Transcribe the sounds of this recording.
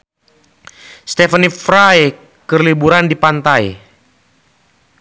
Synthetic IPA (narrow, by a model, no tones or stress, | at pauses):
st̪ɛfənifɾaj | kərlibuɾandipant̪aj